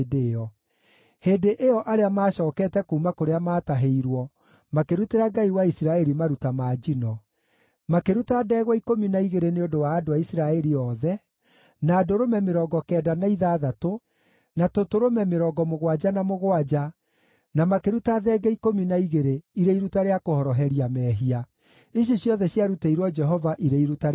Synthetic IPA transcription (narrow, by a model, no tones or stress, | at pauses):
deɔ | heːdeʔejɔʔaɾeamaːɕɔːkɛtɛkuːmakoɾeamaːtaɦeiɾwɔ | makeɾuteɾaɡaiwaisiɾaɛɾimaɾutamaːd͡ʒinɔ | makeɾutadɛːɣwɔikominaiɣeɾeneodowaːdoaisiɾaɛɾiɔːðɛ | naːdoɾomɛmeɾɔːɡɔkɛːdanaiðaːðato | natotoɾomɛmeɾɔɡɔmoɣwad͡ʒanamoɣwad͡ʒa | namakeɾutaðɛːɡɛikominaiɣeɾeiɾeiɾutaɾeakohɔɾɔɦɛɾiamɛːɦia | eɕ̬oɕjɔðɛɕjaɾuteiɾwɔd͡ʒɛɦɔvaʔiɾeiɾutaɾ